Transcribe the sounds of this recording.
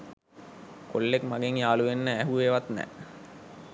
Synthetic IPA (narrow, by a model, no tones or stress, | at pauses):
kolːekmaɡeŋjaːluʋenːəæɦuʋeʋat̪nɛ̰